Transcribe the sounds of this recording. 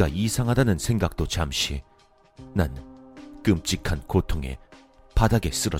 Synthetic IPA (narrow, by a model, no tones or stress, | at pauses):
a̰ʔisʰaŋɦadanɯnsʰe̞ŋɡak̚t͈ot͡ɕamɕʰi | nank͈ɯmt͡ɕ͈ikʰankotʰoŋe̞̰ | padaɡe̞s͈ɯɾʌ